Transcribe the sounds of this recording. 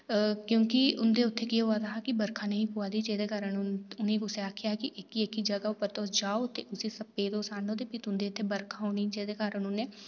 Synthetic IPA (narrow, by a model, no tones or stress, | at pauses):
kjõːkɪʊnd̪eːʊt̪ʰːeːkioaːd̪aːɦakɪbəɾkʰãːnəɦĩːpuaːd̪iːd͡ʒeːd̪eːkaːɾənʊnʊnẽːɡʊseaːkʰɪjakɪʔɪkːiekːid͡ʒəɡaːopəɾt̪oːsd͡ʒaːoːt̪eːʔʊsiːsəpːeːd̪oːsaːnõːt̪epɪt̪ʊnd̪eːʊt̪ʰːeːbəɾkʰaːɦoːnid͡ʒeːd̪eːkaːɾənʊneː